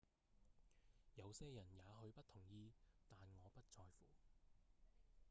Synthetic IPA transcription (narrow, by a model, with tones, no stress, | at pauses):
jɐ˨˧wsɛː˥jɐ˨˩njaː˨˧ɦɵ˨˧ɥpɐ˥t̚t̪ʰʊ˨˩ŋjiː˧t̪aː˨nŋɔː˨˧pɐ˥t̚t͡ʃʰɔː˧jfuː˨˩